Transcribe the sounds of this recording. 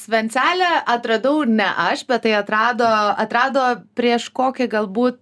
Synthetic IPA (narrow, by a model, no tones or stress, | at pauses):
sʲʋʲɛnʲt͡s̪ʲæːlʲɛʔɐt̪ɾɐd̪ɐʊnʲɛʔɐʃbʲɛt̪t̪ːɐɪɐt̪ɾɑːd̪oːɐt̪ɾɑːd̪oːpʲɾʲiɛʃkoːkʲɪɡɐlˠbuːt̪̚